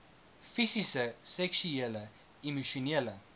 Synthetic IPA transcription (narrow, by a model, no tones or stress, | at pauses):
fisisəsɛksyelə | imuʃuneələ